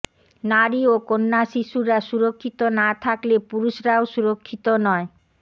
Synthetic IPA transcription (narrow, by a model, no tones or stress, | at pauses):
naɾiokonːaʃiʃuɾaʃuɾokʰːit̪onat̪ʰaklepuɾuʃɾaoʃuɾokʰːit̪onɔe